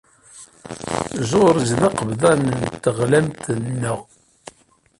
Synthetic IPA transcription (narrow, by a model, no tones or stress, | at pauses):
zʊɾəzðɑqəvðˤɑnənt̪ːəʁlæmt̪nːʊʁ